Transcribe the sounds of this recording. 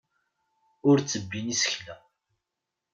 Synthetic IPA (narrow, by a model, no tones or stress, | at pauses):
ʊɾt͡sːəbːinisə̥çlæ